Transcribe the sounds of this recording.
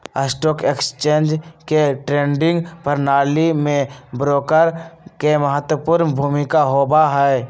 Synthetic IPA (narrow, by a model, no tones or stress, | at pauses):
əsʈoːkekst͡ʃeːnd͡ʒkeʈɾẽːɳɖɪ̃ŋɡpəɾnaːlimẽbɾoːkəɾkeməɦət̪wəpuːɾnbʱuːmɪkaɦoːbaɦɛ